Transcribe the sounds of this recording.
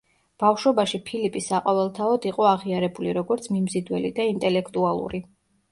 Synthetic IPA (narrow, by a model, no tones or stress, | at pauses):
b̥afʃwɔbaʃipʰilipʼisːaqʼɔvɛlˠt̪ʰaɔd̪iqʼɔaʁiaɾɛbuliɾɔɡɔɾt̪sʰmimzid̪wɛlḭd̪aint̪ʼɛlɛkʰt̪ʼualˠṵɾi